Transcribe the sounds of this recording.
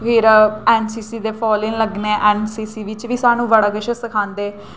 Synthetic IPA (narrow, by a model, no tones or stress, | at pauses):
fʰɪɾɛːnsiːsiːd̪eːpʰɔːlɪnləɡneʔɛːnsiːsiːʋɪt͡ʃʋiːsaːnũːʋəɽaːɡəʃəsəkʰãːnd̪eː